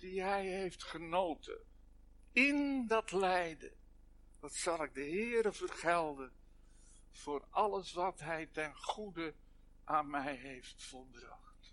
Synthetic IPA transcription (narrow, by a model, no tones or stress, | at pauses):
diɦɛjɦejftχənowtʰə̰ | ɪndɑtlɛjdə̰ | dɑtsɑlˠɪɡ̚dəɦɪːɾəvərχɛlˠdən | v̥ʊːrɑləsʋɑtɦɛjtɛnχudə | ʔaːnmɛjɦejftfəlˠbrɑχt